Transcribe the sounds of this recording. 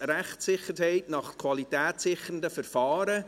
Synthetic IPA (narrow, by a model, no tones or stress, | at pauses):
ɾæχtsɪχəɾhɛɪtnɑχkʰwɑlitɛːtsɪχəəndəfəɾfɑːɾə